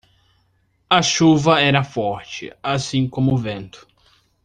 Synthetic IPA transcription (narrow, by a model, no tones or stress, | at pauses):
ɐʃuvɐɛɾɐfɔɾt͡ʃɪ̰asĩkõmʊʊvẽnt̪ʊ̥